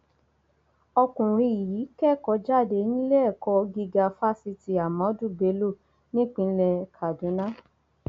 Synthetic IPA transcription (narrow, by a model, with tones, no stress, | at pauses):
ɔ˧kũ˨ɾ̃ĩ˧i˨ji˨˦kɛ˦˨kɔ˧˦d͡ʒa˦˨de˧˦nĩ˦lɛ˦ɛ˦˨kɔ˧ɡi˧ɡa˧fa˦si˧ti˧a˨mã˨˦du˦˨be˨˦lo˦˨ | nĩ˦k͡pĩ˧n̩˦lɛ˧kʰa˨dũ˨˦nã˦